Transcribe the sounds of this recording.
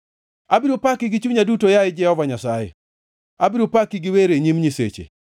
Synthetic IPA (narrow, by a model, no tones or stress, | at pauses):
abɪɾupakɪɡɪt͡ʃuɲadutojaɪd͡ʒɛhɔvaɲasajɛ̰ | abɪɾupakɪɡɪweɾeɲimɲisḛt͡ʃḛ